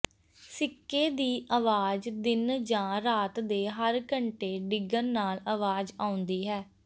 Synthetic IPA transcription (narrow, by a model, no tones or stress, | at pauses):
sɪkːeːd̪iːʔaːʋaːd͡ʒd̪ɪnd͡ʒãːɾaːt̪d̪eːɦəɾkəɳʈeːɖɪɡənnaːlaːʋaːd͡ʒaːʊ̃nd̪iːɦɛː